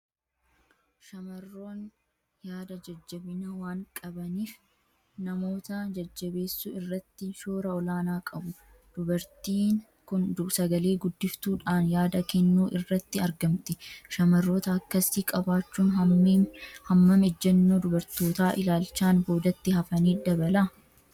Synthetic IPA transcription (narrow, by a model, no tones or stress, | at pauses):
ʃɐmɐrːo̞ːn | jaːd̪ɐd͡ʒɐd͡ʒːɐbɪnɐwaːŋkʼɐbɐniːf | nɐmo̞ːt̪ɐd͡ʒɐd͡ʒːɐbe̞ːsːʊɪrːɐt̪ːɪʃo̞ːɾɐɔlaːnaːkʼɐbʊ | d̪̥ʊbɐɾt̪iːn | kʊnd̪sɐɡɐle̞ːɡʊd̪ːɪft̪uːᶑaːnjaːd̪ɐkɛnːuːʔɪrːɐt̪ːɪɐɾɡɐmt̪ɪʃɐmɐrːo̞ːt̪ɐːkːɐsikʼɐbaːt͡ʃːuːnɐː | hɐmːɐmɛd͡ʒːɐnːoːd̪ʊbɐɾt̪o̞ːt̪aːʔɪlaːlt͡ʃːaːnbo̞ːd̪ɐt̪ːɪhɐfɐniːd̪ɐbɐlɐ